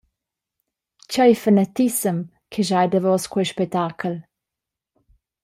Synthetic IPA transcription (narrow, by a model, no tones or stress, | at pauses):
t͡ɕɔjfanat̪isəm | kʰɛʒajdəvɔskwɛjʃpɛk̚t̪akʰəl